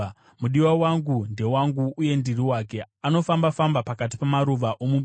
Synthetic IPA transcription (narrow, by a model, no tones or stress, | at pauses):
muɗiwawaŋɡunde̞waŋɡuːje̞ndiriwaːke̞ | ano̞fambafambapakat̬i̥pamaɾuʋaʔomu